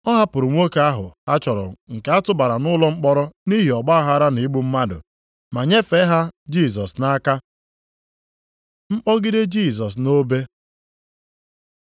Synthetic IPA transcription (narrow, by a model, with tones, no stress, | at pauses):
ɔ˦ɦa˦pʊ˨ɾʊ˨ŋʷo˦ke˨a˦ɦʊ̰˨a˦t͡ʃɔ˨ɾɔ̰˨ŋ̩˨ke˨a˦tʊ˦ba˨ɾa˨nʊ˦lɔ˦ŋ͡m̩˦k͡pɔ˦ɾɔ˦ni˦ɦi˨ɔ˨ɡ͡ba˦ɦa˦ɾa˦ni˨˦ɡ͡bu˦m̩˦ma˦dʊ̰˨ | ma˨ɲe˦fe˨˦ɦa˦d͡ʒi˦˨s̬ɔ˨sna˦ka˦ | ŋ͡m̩˦k͡pɔ˦ɡɪ˦de˦d͡ʒi˦˨s̬ɔ˨s̬no˦be˦